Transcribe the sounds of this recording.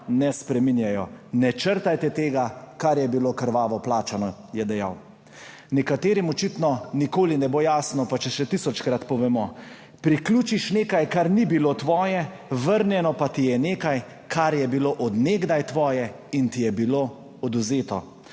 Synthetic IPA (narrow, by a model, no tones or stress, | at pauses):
nɛspɾɛminjajɔnɛt͡ʃəɾt̪ajt̪ɛt̪eːɡakaɾjɛbilokəɾʋaːʋɔplaːt͡ʃanɔjɛd̪ɛja̰w | nɛkat̪eːɾimɔt͡ʃit̪nɔnikoːlinɛbojaːsnɔpat͡ʃɛʃɛt̪isɔt͡ʃkɾat̪pɔʋɛmɔ | pɾiklʲuːt͡ʃiʃneːkajkaɾnibilot̪ʋɔːjɛ | ʋəɾnjɛnɔpat̪ijɛneːkaj | kʰaɾjɛbiloʔɔd̪neːɡd̪ajt̪ʋɔːjɛ | int̪ijɛbilo | ɔd̪uzeːt̪ɔ